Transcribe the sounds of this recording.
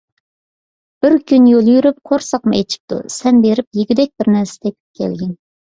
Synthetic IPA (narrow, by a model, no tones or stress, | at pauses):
b̥ɪɾkʲynjolˠjyɾyp̚qʰoɾsɑq̚mɨet͡ʃʰi̥p̚t̪ṵsɛnbeɾɪp̚jiɡʲid̪ɛk̚ʲbɪɾnɛɾsɪ̥d̪ɛk̚ʲ | kʲʰɛ̰lɡʲɪn